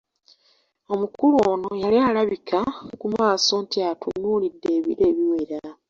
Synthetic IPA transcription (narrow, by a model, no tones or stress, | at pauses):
o̞mukuluoːno̞jalialaβikʰakumaːso̞ːntiatʰunulidːe̞ːβḭɾe̞ːβiweɾa